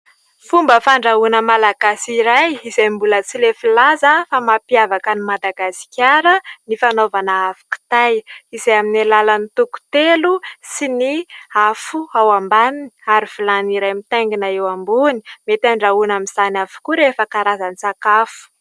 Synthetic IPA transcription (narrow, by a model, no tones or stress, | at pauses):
fumbəfaɳɖ͡ʐaunəmalaɡasiɾajizajmbulət͡silefilazəfamapiavakənimad̪aɡasi̥kʲaɾənifanovanaafu̥ku̥t̪ajizajaminalalənit̪uku̥t̪elusiniafuawambaniniaɾifilaniɾajmit̪aŋɡinaewambuni̥met̪aɳɖ͡ʐaunamiz̥anafu̥kuɾefəkaɾazanisakafu̥